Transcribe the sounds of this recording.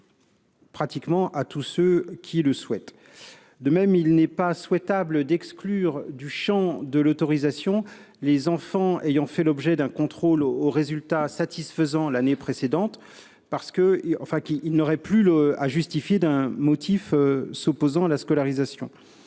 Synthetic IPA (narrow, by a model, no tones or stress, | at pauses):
pχat̪ikmɑ̃ʔat̪usøkʲʰiləswɛt̪ | d̪əmɛmilnɛpaswɛt̪abləd̪ɛksklyʁd̪yʃɑ̃d̪əlot̪ɔʁizasjɔ̃ | lezɑ̃fɑ̃ejɑ̃fɛlɔbʒɛd̪ɛ̃kɔ̃t̪χoloʁezylt̪asat̪ʰisfəzɑ̃lanepχesed̪ɑ̃t̪ | paʁsə̥kəɑ̰̃fɛ̃kiilnɔʁɛplya̰ʒyst̪ifjed̪ɛ̃mɔt̪ʰiføsopozɑ̃alaskɔlaʁizasjɔ̰̃